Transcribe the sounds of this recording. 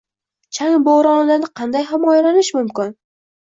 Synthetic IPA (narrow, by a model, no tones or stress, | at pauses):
t͡ʃʰaŋboɾɒnlanɪqʰɑnd̪ajɦamɒjalanɪʃmʊmkʲɪn